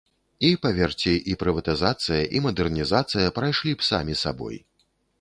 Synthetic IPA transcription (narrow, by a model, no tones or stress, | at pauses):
ipɐvʲɛrt͡sʲiʔipɾɨvɐt̪ɨzat̪sɨjɐʔimɐd̪ɛrnʲizat̪sɨjɐpɾajʂlʲipsa̰mʲisa̰bɔ̰j